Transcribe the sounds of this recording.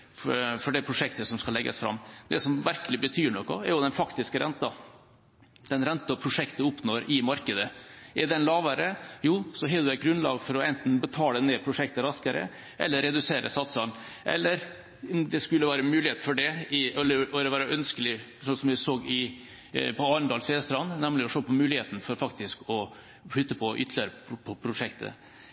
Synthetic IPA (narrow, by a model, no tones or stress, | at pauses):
fɔɖɛpʰɾʊʂɛkt̪əsɔmskɑlɛɡːə̰sfɾɑ̰mːd̪ɛsɔmʋæɾkəlɪbət̪ʰyːɳɔkːɔ̰ɛɾjʊd̪ɛnfɑkt̪ɪskəɾʔɛnt̪ɑ | d̪̥ɛnɾɛnt̪ɑɔpʰɾʊʂɛkt̪əʊpnoːɾɪmɑɾkəd̪əʔɛd̪ɛnlɑːʋəɾəjuːsɔɦɛd̪æɪt̪̚ɡɾʉnlɑ̰ːɡfɔɾɔɛnt̪n̩bət̪ʰɑːləneːpʰɾʊʂɛk̚t̪əɾɑskəɾə̰ | ʔɛ̰lːəɾɛd̪ʉseːɾə̰sɑt̪sɑn | ʔɛ̰lːəɾ | d̪ɛskʉlːəʋæːɾəmʉːlɪheːt̪̩fɔɖɛɪɛlːəɾɔɾʋæːɾəʔœnskəlɪ | sɔsɔmʋɪsoːɡɪ | pʰɔɑːɾnd̪ɑːlsfeːst̪ɾɑnnɛmlɪɔʂoːpʰɔmʉːlɪheːt̪nfɔɾfɑkt̪ɪskɔ | ɧʏt̪ːəpʰɔʔʏ̰t̪ʰːlɪəɾəpʰɔpʰɾʊʂɛkt̪ʰə̰